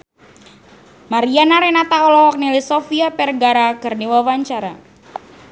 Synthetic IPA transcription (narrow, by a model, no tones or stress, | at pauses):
maɾianaɾɛnat̪aɔlɔhɔk̚nilisɔfiapɛrɡaɾakɨrniwawaɲt͡ʃaɾa